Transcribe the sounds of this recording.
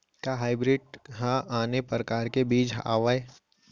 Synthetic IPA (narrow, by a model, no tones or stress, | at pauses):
kaɦaːɪbɾɪɖ̚ɦaaːnepɾəkaːɾkebiːt͡ʃa̰ːʋae